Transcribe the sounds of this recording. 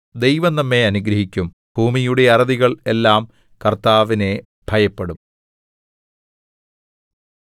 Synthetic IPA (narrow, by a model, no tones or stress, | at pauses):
d̪e̞jʋɐnnɐmːe̞ɐnuɡɾɐɦikʲːum | b̥ʱuːmijuɽe̞ɐrɐðiɣɐɭe̞lːaːm | kɐrt̪aːʋine̞ | bʱɐjɐpːeɽum